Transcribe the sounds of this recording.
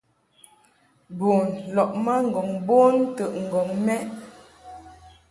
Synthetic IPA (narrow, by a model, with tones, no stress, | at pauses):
bo˨nlɔ˨ʔma˦ŋ̩˨ɡɔ˨ŋbo˦ntə˨ʔŋ̩˨ɡɔ˨ŋmɛ˦ʔ